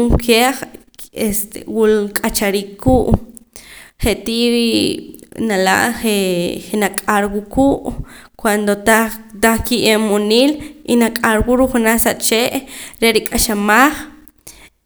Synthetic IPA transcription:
uŋkʰeχ | est̪ḛwulkʼat͡ʃaɾiːkʰːuːʔ | χeʔt̪iɾi | nala̰ʔχeχenakʼaɾwukʰuːʔkwand̪ot̪at̪aχkiʔemoniːlinakʼaɾwuɾuχunaχsaʔt͡ʃeʔɾeɾikʼaʃamaχ

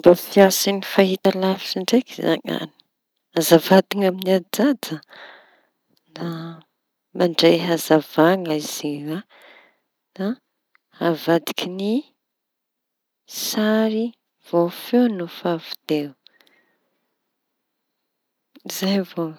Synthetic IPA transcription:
mbafiasinifaɦit̪alafi̥siɳɖ͡ʐekiza̰ŋa̰ni̥ | azavad̪iŋaminiad͡zada | na | maɳɖ͡ʐeɦazavaŋəiz̥ia | na | avad̪i̥kʰini | saɾi | v̥ofenufavud̪̥e | zajvo

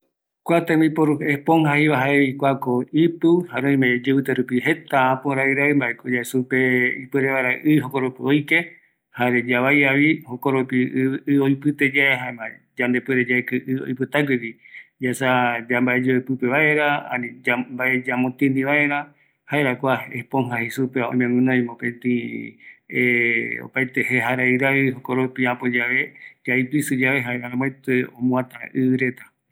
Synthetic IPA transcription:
kʷat̪amipoɾuepoŋhaiβaɦaeβikʷakoipɨhaɾõĩmed͡ʒeɨt̪eɾupiɦe̞t̪aãpoɾaiɾaimbaʔekod͡ʒaesupeipɨɾeβaɾaʔɨiɦokoɾopiojke | haɾed͡ʒaβajaβihokoɾopiɨojpɨt̪ed͡ʒaeɦaemad͡ʒãnd̪epɨɾed͡ʒaekɨʔɨo̰jpɨt̪aɡiwid͡ʒasad͡ʒambaed͡ʒoepɨpeβaeɾaa̰niambaʔed͡ʒamõt̪ĩnd̪ĩβaeɾã | haeɾakʷaepõŋɦahisupeaõ̰ĩmẽmũnõj̃mõpẽnt̪ĩ | eo̰pajt̪eheɦaɾaiɾaiɦokoɾopiapod͡ʒaβed͡ʒaipisɨd͡ʒaβeɦaeɾaɾãmojt̪eõmũãt̪aɨɨɾet̪ḁ

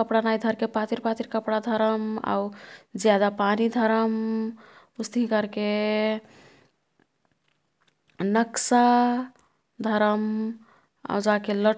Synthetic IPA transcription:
kəpɽanajd̪ʱəɾkepat̪iɾpat̪iɾkəpɽad̪ʱəɾəma̰wd͡ʒjad̪apanid̪ʱəɾəm | pust̪iɦkəɾke | nəksa | d̪ʱəɾəm | a̰wd͡ʒakelə

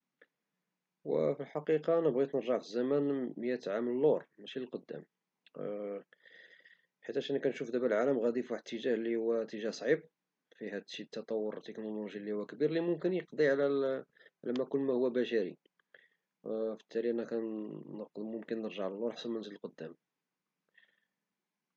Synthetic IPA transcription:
wə̰filħɑqiqɑnəbɣit̪nəɾʒəʕfizːæmænmjæt̪ʕamləlːoɾmæʃiləlqod̪ːæ̰m | ħit̪ːæʃænkænʃufd̪æbælʕaləmɣæd̪ifaħd̪t̪ːəʒæhlihʊwːæt̪ːəʒæhsˤʕib̚ | fihæd̪ʃit̪ːɑt̪ˤɑwːoɾt̪eknoluʒilːihuwækbiɾlimʊmkənjəqd̪ˤiʕlæʕlæmækʊlːmæhuwːæbæʃæɾḭ | fə̥t̪ːæliʔænækænnəqd̪mʊmkənːəɾʒəʕləlːoɾħsænmænzələlqod̪ːæm

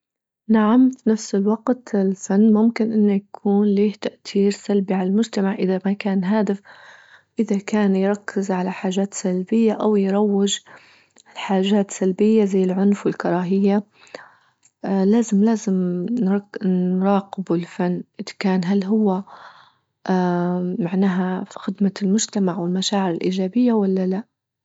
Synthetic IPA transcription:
naʕamfinafsɪlwɑɡt̪ɪlfanːmʊmkɪnʔɪnːʊjakʰuːnleːht̪aʔt̪iːɾsalbiʕalalmʊd͡ʒt̪amaʕʔɪðamakaːnɦaːd̪ɪf | ʔɪðakaːnjɾˤɑkʰːɪzʕalaħaːʒaːt̪salbɪjːaʔawjɾˤɑwːɪd͡ʒ | lħaːʒaːt̪salbɪjːazajːɪlʕʊnfwɪlkɑɾˤɑːɦɪjːa | laːzɪmlaːzɪm | nɾˤɑːqɪbʊlfanːʔɪðḁkaːnɦalːɦʊwːa | ʔmaʕnaːɦaxɪd̪malmʊʒt̪amaʕwɪlmaʃaːʕɪɾɪlʔiːʒaːbɪjːawalːalaʔ

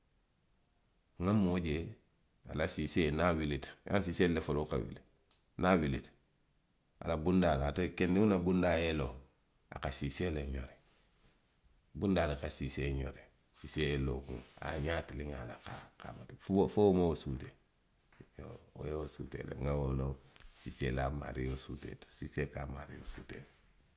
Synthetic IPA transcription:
ŋamoɟe | a̰lasisenawilita̰siselefoloka̰wḭle | nawilḭt | a̰labundalatekendiunabundaelo | a̰kasiseleɲo̰ɾe | bundalakasiseɲo̰ɾe | siseeloɡṵŋa̰ɲatiliŋalakaka̰matffowomowosute | oo̰jewosutḛlḛŋawolosiselama̰ɾijosutḛto̥sisekama̰ɾijo̰suːte

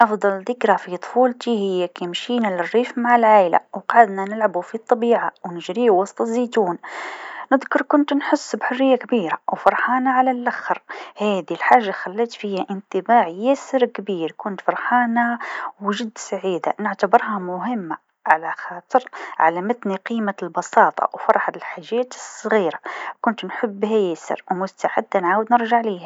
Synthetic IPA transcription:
ʔɑfd̪ˤɑld̪ɪkɾafit̪ˤfuːlt̪ihɪjːakimʃiːnalɪrːiːfmaʕɪlʕaːjla̰wqɑʕad̪nanɪlʕabufit̪ˤːɑbiːʕawnɪʒɾiːwɑsˤt̪ˤɨzːiːt̪uːnnɪðkʊɾˤkʊnt̪nħɪsːbħʊrːɪjːakbiːɾawfɑɾˤħɑːnaʕalalʔaxːɑɾhaːd̪ilħaːʒːaxalːaːt̪fijhaʔɪnt̪ɪbaːʕjaːsɪɾkbiːɾkʊnt̪fɑɾˤħɑːnawʒɪd̪ːsaʕiːd̪a̰nɪʕt̪abɪɾˤɦɑmʊɦɪmːa | ʕalaxɑːt̪ˤɨɾʕa̰lamɪt̪niqiːmalbɑsɑːt̪ˤɑ̰wfɑɾˤħɑɪlħaːʒːaːt̪ɨsˤːɣiːɾakʊnt̪nħɪbːhajaːsɪ̰ɾwmʊst̪aʕɪ̰d̪ːanʕaːwd̪nɪɾʒaʕliːha

